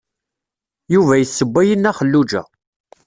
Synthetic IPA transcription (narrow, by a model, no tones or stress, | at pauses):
juvæjəsːəbʷːæjənːæχəlːud͡ʒæ̰